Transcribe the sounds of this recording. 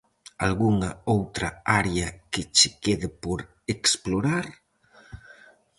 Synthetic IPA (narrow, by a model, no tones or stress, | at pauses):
alɣuŋaowt̪ɾaaɾeaket͡ʃekeðɪpoɾ | eksploɾaɾ